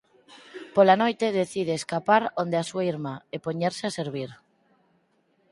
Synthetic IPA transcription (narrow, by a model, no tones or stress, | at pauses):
polanojt̪eðeθið̞eːskapaɾond̪easuaiɾmaepoɲeɾseaseɾβ̞iɾ